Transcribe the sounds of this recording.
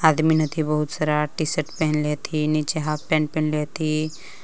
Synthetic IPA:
aːd̪minɐt̪ʰibɐɦut̪saɾaʈisəʈpɛɦɛnlet̪ʰinit͡ʃeɦaːpɛ̃ːɳʈ̚pɛ̃nlet̪ʰi

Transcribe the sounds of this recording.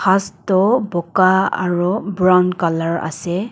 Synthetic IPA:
xastɔbɔkaa̰ɹubɹɔnkalaɹa̰sɛ

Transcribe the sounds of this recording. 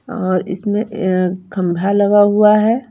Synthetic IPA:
ɔːɾɪ̰smẽkʰə̃mbʱaləɡaɦuaɦɛː

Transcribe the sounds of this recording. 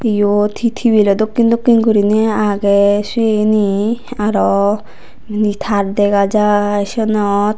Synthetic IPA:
ejot̪ʰit̪ʰibilɔd̪okːind̪okːinkoɾinɛaɡɛseniaɾɔ | nit̪ʰaɾd̪ɛɡad͡ʒaʃɔnɔt̪̚

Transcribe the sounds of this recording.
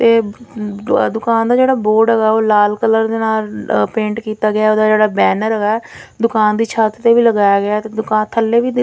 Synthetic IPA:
t̪eː | d̪ʊkaːnd̪aːd͡ʒeːɽaːboːɾɖɛɡaːoːlaːlkələɾd̪eːnaːlpẽːɳʈkiːt̪aːɡɪaːoːd̪aːd͡ʒeːɽaːbɛːnəɾɛɡaːd̪ʊkaːnd̪iːt͡ʃʰaːt̪t̪eːʋiːləɡaːjaːɡɪaːt̪eːd̪ʊkaːnt̪ʰəlːeːʋiː

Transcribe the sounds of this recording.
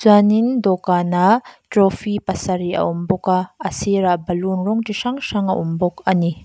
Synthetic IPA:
zanindɔkanatɾɔfʰipɐsɐɾiʔɐ̰ʔumbɔkaɐsiɾaʔbɐlunɾɔŋtiʂaŋʂaŋɐ̰ʔumbɔkɐni

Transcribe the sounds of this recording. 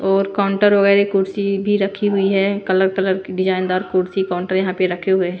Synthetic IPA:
ɔːɾkaːʊ̃ɳʈəɾʋɐɣɛːɾekʊɾsibʱiɾɐkʰiɦʊiɦɛkɐləɾkələɾkiɖɪd͡ʒaːɪnd̪aːɾkʊɾsikaʊ̃ɳʈəɾjɐɦãpeɾɐkʰeɦʊe

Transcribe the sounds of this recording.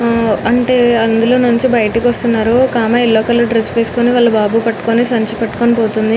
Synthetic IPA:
ɐɳʈe̞ːɐnd̪ulo̞ːnuɲt͡ʃibɐjɐʈikʋɐst̪unːaːɾukaːmaːilːoːkɐlːoːɖɾespeːsu̥koːniʋaːɭːɐbaːbuːpɐʈːu̥koːnisɐɲt͡ʃipɐʈːu̥konipo̞ːt̪und̪i

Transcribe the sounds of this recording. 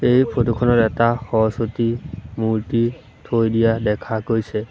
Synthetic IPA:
ejpʰotukʰɔnɔtɛtaxɔɦɔsotimuɹti | tʰojdijadɛkʰakojsɛ

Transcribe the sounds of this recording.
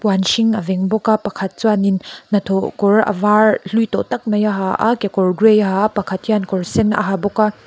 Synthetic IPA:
pwanʃiŋɐvɛŋbɔkapɐkʰɐt̪̚t͡suaninːɐt̪ʰɔkɔɾɐ̰varɬujt̪ɔʔt̪ɐk̚mɐjaɦaʔa̰kekɔɹɡɾejaɦapɐkʰɐt̪̚jankɔɹsɛnɐ̰ɦabɔka

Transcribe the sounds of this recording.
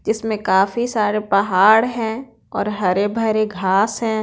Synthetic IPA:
d͡ʒɪsmẽkaːfisaːɾepɐɦaːɽɦɛ̃ː | ɔːɾɦɐɾebʱɐɾeɡʱaːsɦɛ̃ː

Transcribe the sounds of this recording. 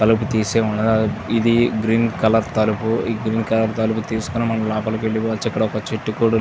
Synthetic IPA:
ɐluput̪iːseːuɳːɐd̪id̪iɡɾiːnkɐlɐɾt̪ɐlupuiɡɾiːnkɐlɐɾt̪ɐluput̪iːsu̥kunimɐɳɐːulaːpɐlɐkʋeɭːipoɐt͡ʃːɐkːɐɽɐɔkɐt͡ʃiʈːukuːɽɐ

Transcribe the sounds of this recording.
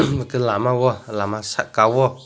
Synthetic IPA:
kelamãwɔlamãsa̰ʔkawɔ

